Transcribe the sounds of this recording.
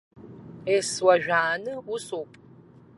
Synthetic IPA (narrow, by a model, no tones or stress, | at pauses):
eswɐʒᶣʷaːnɨusoːpʼ